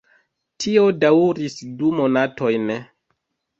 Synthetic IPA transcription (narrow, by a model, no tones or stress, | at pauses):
tʰio̞dauɾisdumo̞natʰo̞jn